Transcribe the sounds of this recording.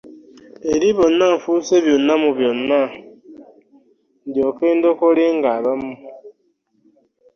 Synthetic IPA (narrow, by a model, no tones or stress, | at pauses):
eɾiβonːaɱfuseβjonamuβjonːa | ndjokeːndokoɾeŋɡaβamu